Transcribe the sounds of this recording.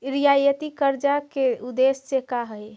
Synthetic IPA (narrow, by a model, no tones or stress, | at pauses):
ɾijajət̪ikəɾd͡ʒakeud̪essekaɦəj